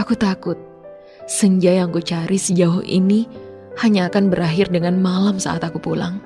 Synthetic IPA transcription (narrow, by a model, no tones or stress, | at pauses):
ʔakut̪akʊt̪̚ | səɲd͡ʒajaŋkut͡ʃaɾisəd͡ʒaʊhḭni | haɲaːkanbəɾaɦɪrdəŋanmalamsa̰ʔat̪akupula̰ŋ